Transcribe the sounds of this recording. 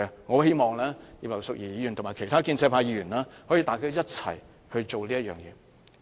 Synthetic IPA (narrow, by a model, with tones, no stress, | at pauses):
ɛ˧ŋɔ˨˧he˥jmɔː˨˩ŋlɛː˥jiː˧p̚lɐ˨˩wsʊ˨k̚jiː˨˩jiː˨˧jyː˨˩nt̪ʰʊ˨˩maː˨jkʰe˨˩jt̪ʰaː˥kiː˧nt͡sɛ˧pʰaː˧jiː˧jy˨˩nlaː˥hɔ˨˥ji˨˧t̪aː˨˩kaː˥jɐ˥t̚t͡sʰɐ̰˨˩j | hɵ˧ɥt͡ʃo˨wliː˥jɐ˥t̚jœː˨ŋjɛ̰ː˨˧